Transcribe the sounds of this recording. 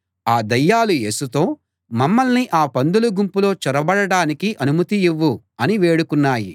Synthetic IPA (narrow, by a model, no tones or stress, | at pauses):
aːd̪ɐjːaːluje̞ːsut̪o̞ː | mɐmːɐlniʔaːpɐnd̪uluɡumpulo̞ːt͡ʃɔɾɐbɐɽɐɽaːnikiʔɐnumɐt̪ijiʋːu | ɐniʋe̞ːɽukunːaːji